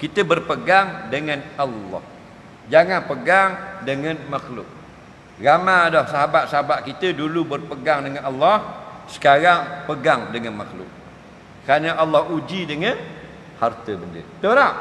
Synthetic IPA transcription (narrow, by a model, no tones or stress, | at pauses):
kit̪əbərpəɡaŋdəŋanalːɔ̰h | d͡ʒaŋanpəɡaŋdəŋanmaxlʊ̰k̚ | ɣamadɔhsaɦabat̪̚saɦabat̪̚kit̪ədulubərpəɡaŋdəŋanalːɑhsə̥kaɾaŋpəɡaŋdəŋanmaxlʊ̰k̚ | kəɾanəʔalːahud͡ʒidəŋan | hart̪əbəndə̰t̪əɾaʔ